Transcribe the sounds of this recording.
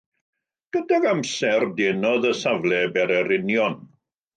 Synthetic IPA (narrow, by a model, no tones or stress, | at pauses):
ɡ̥ədaɡamsɛrdeːnɔðəsavlˠɛbɛɾɛɾɪnjɔn